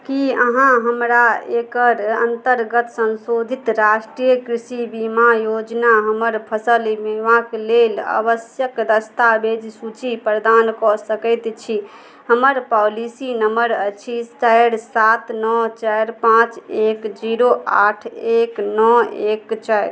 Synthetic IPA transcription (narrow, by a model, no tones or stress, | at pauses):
kiəɦãɦəmɾaekəɾə̰nt̪əɾɡət̪sənsod̪ʱit̪ɾasʈɾijəkɾisibimajod͡ʒnaɦəməɾpʰəsəlmemãklelə̰bəsjəkɾəst̪abed͡ʒsut͡ʃipɾəd̪ankɔsəkəɪt̪t͡ʃʰi | ɦəməɾpɔlisinəməɾət͡ʃʰist͡ʃajɽsat̪nɔt͡ʃajɾpãt͡ʃekd͡ʒiɾoa̰ʈʰeknɔekt͡ʃajɾ